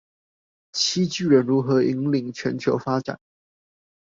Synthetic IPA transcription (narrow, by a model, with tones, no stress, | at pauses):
t͡ɕʰi˥t͡ɕy˥˩ɻə˧˥nɻu˧˥xɤ˧˥i˧˥ŋli˧˩ŋt͡ɕʰɥɛ˧˥nt͡ɕʰjo˧˥ʊfa˥ʈ͡ʂa̰˨˩˦n